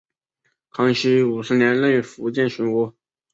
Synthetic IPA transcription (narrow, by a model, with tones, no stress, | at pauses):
kʰɑ˥ŋɕi˥u˨˩ʂɹ̩˥njɛ˧˥nlə˥˧ŋy˥˩fu˧˥t͡ɕjɛ˥˩nɕy˧˥nwɔ˧˥